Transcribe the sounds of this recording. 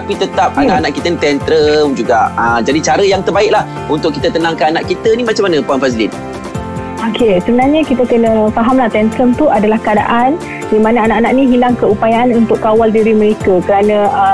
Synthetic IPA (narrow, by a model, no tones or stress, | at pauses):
t̪apit̪ət̪ap̚anaʔanaʔkit̪ənit̪ɛnt̪ɾəmd͡ʒuɡaʔəd͡ʒadit͡ʃaɾəjaŋt̪ərbaɪk̚lah | unt̪ʊkːit̪ət̪ənaŋkaanaʔkit̪ənimat͡ʃamːanə̃puanfazlḭn | okesəbənarɲakit̪əkənə̃faɦamlaht̪ɛnt̪ɾəmt̪uʔadalahkəada̰ʔan | dimanaanaʔanaʔnĩɦilaŋkəupajaʔanunt̪ʊʔkːawaldiɾimə̃ɾekakəɾanə̃ə